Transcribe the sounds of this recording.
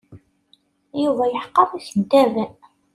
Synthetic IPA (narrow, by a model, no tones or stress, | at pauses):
juvæjəħqːɑθæçənt̪ævæ